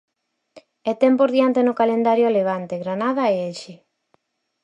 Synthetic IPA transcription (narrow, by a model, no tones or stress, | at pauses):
et̪ɛmpoɾðiant̪enʊkalend̪aɾjʊaleβ̞ant̪eɣɾanað̞aeelʃe